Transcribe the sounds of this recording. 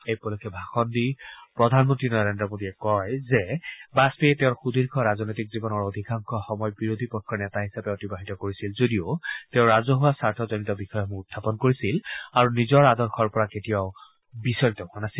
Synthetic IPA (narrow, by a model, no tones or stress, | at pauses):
ejpɔlɔkʰɛbʱaxɔndipɹɔdʱanmɔntɹinɔɹendɹɔmodiɛkɔjzɛbaspeteʊ̃ɹxudʱiɹkʰɔɹazɔnojtikzibɔnɔɹodʱikaŋkʰɔxɔmɔjbiɹod̪ʱipɔkʰːɔɹnɛtaɦisapɛɔtibaɦitɔkoɹisilzodioteʊ̃ɹazɔɦuwasaɹtʰɔzɔnitɔbixɔjɔmuɡutʰːapɔnkoɹisilaɹunizɔɹadɔɹxʰɔɹpɔɹaketijaʊ | bisɔɹitɔɦʊanasil